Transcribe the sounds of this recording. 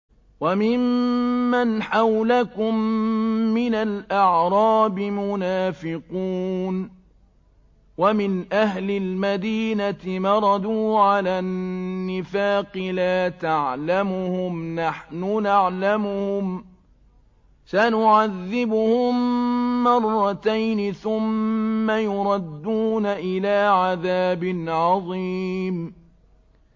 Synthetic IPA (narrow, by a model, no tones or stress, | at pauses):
wamɪmː | anħawlakʊmː | ɪnalʔaʕɾˤɑːbɪmʊnaːfɪquːn | wamɪnʔahlɪlmad̪iːnat̪ɪmɑɾˤɑd̪uːʕalaːnːɪfaːqɨlaːt̪aʕlamʊhʊmnaħnʊnaʕlamʊhʊm | sanʊʕaðːɪbʊhʊmː | ɑrˤːɑt̪ajnɪθʊmːajʊɾˤɑd̪ːuːnaʔɪlaːʕaðaːbɪnʕɑðˤiːm